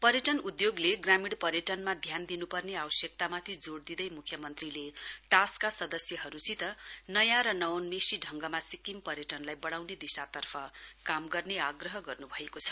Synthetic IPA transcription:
pʌɾjʌʈʌnud̪joɡleɡramiɽpʌɾjʌʈʌnmad̪ʱjand̪inupʌrneabʌsjʌk̚t̪amat̪ʰid͡zoɽd̪id̪ʌjmukʰjʌmʌnt̪rileʈaskasʌd̪ʌsjʌɦʌɾut͡sʰit̪ʌnʌjãɾʌnʌwonmesiɖʱʌŋɡʌmasikimpʌɾjʌʈʌnlajbʌɽ̃awned̪isat̪ʌrpʰʌkamɡʌrneaɡrʌɦʌɡʌrnubʱʌekot͡sʰʌ̥

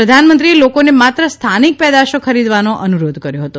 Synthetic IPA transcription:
ɾəd̪ʱanmənt̪ɾielokonemat̪ɾəst̪ʰanik̚pɛd̪aʃokʰəɾid̪ʋanoʔənuɾod̪ʱkəɾjoɦət̪o

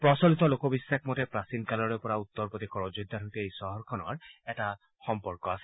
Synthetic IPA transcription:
pɹɔsɔlit̪ɔlokɔbisːakmɔtɛpɹasinkalɔɹepɔɹaut̪ːɔɹpot̪ikʰɔɹɔd͡ʒud̪ʱːaɾʱot̪eejsɔɦɔɹkʰɔnɔ̰ɹɛta | xɔmpɔɹkɔasɛ

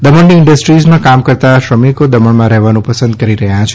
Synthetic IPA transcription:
d̪əməɳniɪɳɖəsʈɾizmãkamkəɾt̪aʃɾəmikod̪əməɳmãɾəɦʋanũpəsə̃nd̪̚kəɾiɾəɦjãt͡ʃʰ

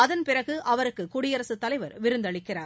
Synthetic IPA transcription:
ɐðɐnpɪrɐɣɯʔɐʋɐɾɯkːɯkʊɽɪjɐɾɐsɯt̪ːɐlɐɪʋɐɾʋɪɾɯnd̪ɐɭɪkːɪraːɾ

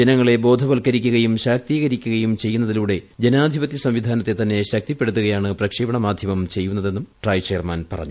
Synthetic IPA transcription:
enɐŋːɐɭe̞bo̞ːd̪ʱɐbɐlkɐɾikʲːuɣɐjumɕaːk̚t̪iːɣɐɾikʲːuɣɐjumt͡ɕe̞jːunːɐðiluːɽe̞d͡ʑenaːd̪ʱibɐt̪ːisɐmʋid̪ʱaːnɐt̪ːe̞t̪ɐnːe̞ɕɐk̚t̪ipːe̞ɽut̪ːuɣɐjaːɳɨprɐkʂiːbɐɳɐmaːd̪ʱjɐmɐmt͡ɕe̞jːunːɐðe̞nːumʈrɐjt͡ɕe̞ːrmaːnpɐrɐ̰ɲːu

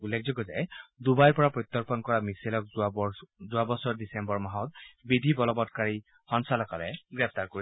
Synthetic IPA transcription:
ulːek̚ʰzɔɡɔza̰jd̪ubajɹpɔɹapɹɔt̪ːɔɹpɔnkɔɹamiselɔk̚ | zʊabɔsɔɹdisɛmbɔɹmaɦɔt̪̚bid̪ʱibɔlɔbɔdkaɹi | hɔnsalɔkalɛɡɹɛp̚ʰt̪aɹkoɹi

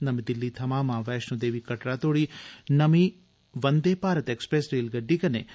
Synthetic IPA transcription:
nɐmid̪ɪlːit̪ʰɐmaːmãːʋɛːʃnũd̪eːʋikɐʈɾaːt̪oːɽinɐmi | ʋɐnd̪eːpaːɾɐt̪eːkspɾeːsɾeːlɡɐɖːikɐnḛː

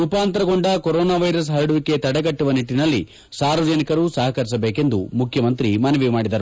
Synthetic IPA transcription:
upaːnt̪ɐɾɐɡoɳɖɐkoɾɔːnaːʋɐjɾɐs̬ɦɐɾɐɽuʋike̞t̪ɐɽɐɡɐʈːuʋɐniʈːinɐlːi | saːɾʋɐd͡ʒɐnikɐɾusɐɦɐkɐɾis̬ɐbeːke̞nd̪umukʰjɐmɐnt̪ɾimɐnɐʋimaːɽid̪ɐɾu

